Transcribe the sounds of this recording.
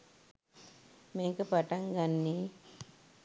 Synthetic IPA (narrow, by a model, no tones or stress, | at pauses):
meːkəpaʈaŋɡanːe